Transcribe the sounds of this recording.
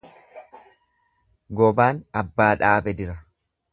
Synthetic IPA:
ɡɔbaːnɐbːaːᶑaːbɛd̪ɪɾɐ

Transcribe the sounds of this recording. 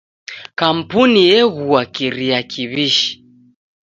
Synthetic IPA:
kam̩punijɛɣuakiɾiakʰiβiʃi̥

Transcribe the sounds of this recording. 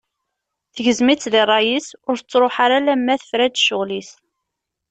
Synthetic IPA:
θəʝəzmit͡sːðirˤːɑjisʊɾət͡sːɾˤoħaɾalæmːæθə̥fɾæd̪ʃʊʁlis

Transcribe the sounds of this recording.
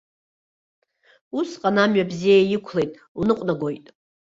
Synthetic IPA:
usqʼanamɥabzijajikʷʰle̞jtʼ | unɨqʷʼnaɡʷo̞jtʼ

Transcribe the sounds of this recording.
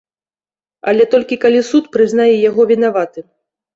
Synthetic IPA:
a̰lʲɛt̪ɔlʲkʲikalʲisut̪pɾɨznajɛjaɣɔvʲin̪avat̪ɨ

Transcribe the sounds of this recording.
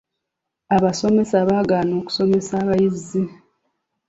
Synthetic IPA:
aβaso̞me̞saβaːɡaːno̞ːku̥so̞me̞saːβajizːi

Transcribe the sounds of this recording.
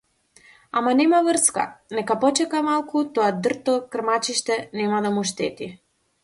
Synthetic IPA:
amanɛmavr̩ska̰nɛkapɔt͡ʃɛkamalˠkut̪ɔad̪r̩t̪ɔkr̩mat͡ʃiʃt̪ɛnɛmad̪amuʃt̪ɛt̪i

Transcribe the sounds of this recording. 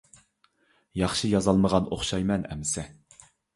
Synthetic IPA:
jɑχʃijɑzɑlˠməʁɑnoχʃɑjmɛnɛ̰mɪsɛ

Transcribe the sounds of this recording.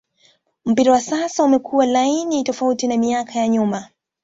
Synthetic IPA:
m̩piɾawasasaumɛkʰuwalainitɔfautinamiakʰajaɲuma

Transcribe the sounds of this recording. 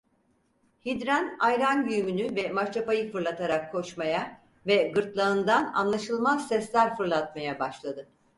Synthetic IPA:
hid̪ɾænajɾanjyjmynyvɛmaɾt͡ʃʰapajɯfɯɾlˠat̪ʰaɾakʰːo̞ʃmaja | vɛɡɯɾt̪lˠaɯnd̪ana̰nlˠaʃɯlˠmaz̥sɛslʲæɾfɯɾlˠat̪̚majabaʃlˠad̪ɯ

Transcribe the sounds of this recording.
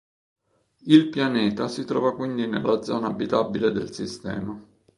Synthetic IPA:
ilpjanɛːt̪asit̪ɾɔːvakwind̪inelːad̪zɔːnaːbːit̪abiled̪ḛlsist̪ɛ̰ːma

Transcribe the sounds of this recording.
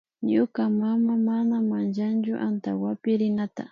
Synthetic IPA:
ɲʊkamamamanamant͡ʃant͡ʃʊʔant̪a̰wapɪɾɪnat̪a̰

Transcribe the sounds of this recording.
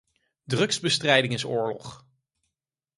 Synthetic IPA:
drɵkzbəstrɛjdɪŋɪsʊːɹlɔχ

